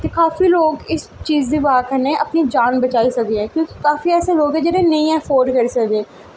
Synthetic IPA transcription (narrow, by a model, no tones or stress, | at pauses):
k̪ekaːfiloːɡɪs | t͡ʃiːzd̪iʋaɦakəɾneʔɐpnid͡ʒaːnbɐt͡ʃaːisɐkeɦɛ̃ːkjõːki̥kaːfiɛːseloːɡɦɛ̃d͡ʒɛːɾenɐĩɛːfoːɾɖkɐɾsɐɡẽː